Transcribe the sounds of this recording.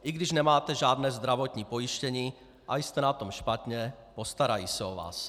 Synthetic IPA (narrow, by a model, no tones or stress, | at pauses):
ʔiɡdɪʒnɛmaːt̪ɛʒaːd̪nɛːzd̪ɾavot̪ɲiːpojiʃcɛɲiː | ʔajst̪ɛnat̪omʃpat̪ɲɛ | post̪aɾajiːsɛova̰ːs